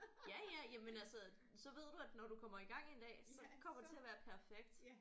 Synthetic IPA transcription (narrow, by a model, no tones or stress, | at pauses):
jæjæjæmenælsə | sɒ̽ʋe̝ð̞̰ˠd̥uæd̥nɒɾ̥ukʰɒ̽m̰ɐiɡ̥ɑ̈ŋ̰e̝nd̥ɛ̰ːsɒ̽kʰɒ̽m̰ɐd̥e̝t͡sʰe̝æɐʋæːɐpʰæɐfeɡ̥d̥